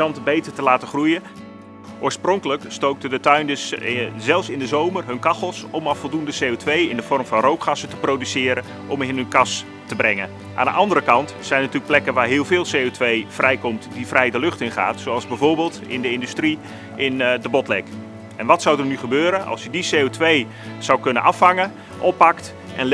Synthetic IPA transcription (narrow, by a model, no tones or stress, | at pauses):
ɑntəbejtərtəlaːtəχrujə | ʔoːɹsprɔŋkələkstowk̚tədətœɥndəszɛlˠfsɪndəzowmərɦɵnkɑχəlˠsɔmɑfɔlˠdundəsejotʋejɪndəv̥ɔrmvɑnrowkχasətəprowdysɪːɾən | ʔɔmɪnɦənkɑs | təbrɛŋən | ʔa̰ːndə̰ʔɑndərəkɑntsɛjnətyːləkplɛkənʋaːɹɦɪːlˠvɪːlˠsejotʋejv̥rɛjkɔmtdivrɛjdəlɵχtɪnχa̰ːtsowɑlˠzbɛjvoːrbeːlˠtɪ̰ndəɪndystri | ɪndəbɔtlɛk | ɛnʋɑtsawdərnyχəbøːɾənɑ̰lˠsjədiseːotʋej | z̥awkɵnənɑfhɑŋən | ʔɔpːɑkt | ʔɛ̰n